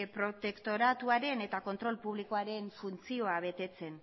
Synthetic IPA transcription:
pɾo̞t̪e̞kt̪o̞ɾat̪uaɾe̞ne̞t̪ako̞nt̪ɾo̞lpuβliko̞aɾe̞ɱfunt͡sio̞aβ̞e̞t̪e̞t͡se̞n

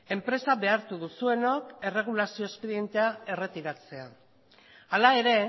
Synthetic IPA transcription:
e̞mpɾe̞saβe̞aɾt̪uðusue̞no̞ke̞re̞ɣ̞ulasio̞espe̞ðije̞nt̪e̞ae̞re̞t̪iɾat͡se̞a | alae̞ɾe̞

